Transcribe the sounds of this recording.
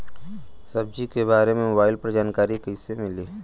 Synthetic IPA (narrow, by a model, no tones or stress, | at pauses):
sɐb̚d͡ʒikebaːɾemẽmobaːɪlpɾd͡ʒaːnkaːɾikəɪsemɪliː